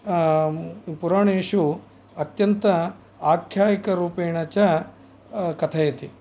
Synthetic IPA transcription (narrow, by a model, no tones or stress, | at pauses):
puɾaːɳeːʂu | ɐt̪jɐnt̪ɐ | aːkʰjaːjikɐɾuːpeːɳɐt͡ʃɐ | kɐt̪ʰɐjɐt̪i